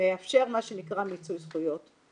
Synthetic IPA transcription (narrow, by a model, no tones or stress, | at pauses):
eafʃe̞ʁmaʃenikʁamit͡sujzχujo̞t